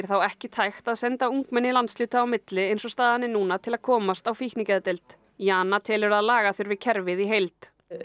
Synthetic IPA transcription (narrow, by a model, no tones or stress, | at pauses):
ɾ̥θawɛhcɪt̪ʰajxt̪aðsɛnt̪auŋkmɛnːɪlant̪slʏːt̪aːwmɪt̪lɪejnsɔst̪aːðhanːɪnuːnat̪ʰɪlaðkʰɔːmast̪awfihknicaðt̪ɛlt̪ | jaːnat̪ʰɛːlɪɾaðlaːɣaθʏɾvɪðcʰɛɾvɪðiɦejlt̪